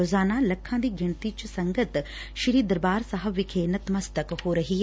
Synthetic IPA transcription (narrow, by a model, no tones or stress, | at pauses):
oːzaːnaːlɐkʰːãːd̪iːɡɪɳ̃t̪iːt͡ʃsɐ̃ŋɡət̪ | ʃɪɾiːd̪ɐɾbaːɾsɐɦəʋɪkʰenɐt̪mɐst̪əkhoːɾɐɦiː